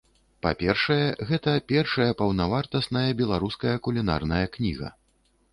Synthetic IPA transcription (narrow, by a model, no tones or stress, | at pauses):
pa̰pʲɛrʂɐjɛɣɛt̪ɐpʲɛrʂɐjɐpɐwnavart̪ɐsnɐjɐbʲɛlˠaɾuskɐjɐkulʲina̰rnɐjɐknʲḭɣɐ̰